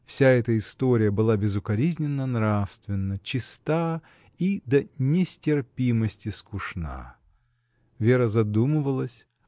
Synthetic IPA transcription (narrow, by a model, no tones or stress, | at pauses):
fsʲaɛt̪əɪst̪oɾʲɪjəbɨlˠabʲɪzʊkɐɾʲizʲnʲɪnːənɾafst̪vʲɪnːət͡ɕɪst̪a | id̪ənʲɪsʲtʲɪrpʲiməsʲtʲɪskʊʂna̰ | vʲe̞ɾəzɐd̪umɨvəlˠəsʲ